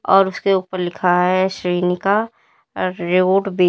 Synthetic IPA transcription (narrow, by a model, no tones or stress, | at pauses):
ɔːɾʊskeuːpəɾlɪkʰaɦɛʃɾiːnika | ɾeoːɖbeː